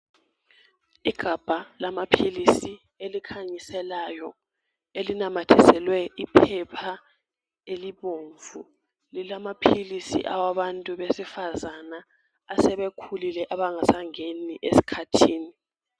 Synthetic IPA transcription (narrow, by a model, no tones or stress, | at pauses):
iɡ̥ʱab̥ʱalamapʰilisi | elikʰaɲisɛlajɔ | elinamatʰɛsɛlwɛʔipʰɛpʰa | eliβoːɱvu | lilamapʰilisḭʔawaβantʼuβesifazanaː | sɛβekʰulilɛʔaβaŋasaŋeniʔesi̥kʰatʰiːni